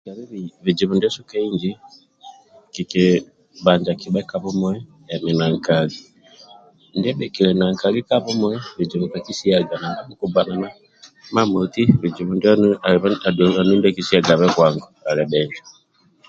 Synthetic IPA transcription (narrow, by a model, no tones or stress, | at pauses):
aβiβiβid͡ʒiβundiɔsukaiɲd͡ʒi | kiki | βaɲd͡ʒakiɓɛkaβɔmwɛ | ɛminaŋkali | ndiɛɓɛkilɛnaŋkalikaβɔmwɛβid͡ʒiβukakisiaɡanabamukubanana | mamotiβid͡ʒiβundiaβadanindakisiaɡaβɛkwaŋɡɔalɛɓɛɲd͡ʒa